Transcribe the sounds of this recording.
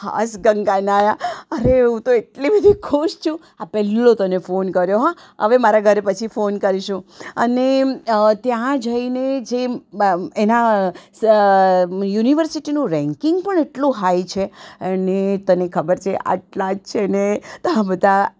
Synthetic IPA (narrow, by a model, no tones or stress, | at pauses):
ha̰sɡəŋɡanajaəɾeɦũt̪oeʈlibəd̪ʱikʰuʃt͡ʃʰũ | apɛlːõt̪ənefonkəɾjoɦã | ə̰ʋemaɾaɡʱəɾepət͡ʃʰifonkəɾiʃũənet̪jãd͡ʒəined͡ʒe | ena | juniʋəɾsiʈinũɾɛ̃ŋkɪŋɡpəɳeʈlũɦajt͡ʃʰeənet̪ənekʰəbəɾt͡ʃʰeʔa̰ʈlad͡ʒt͡ʃʰenet̪əɦãbəd̪ʱa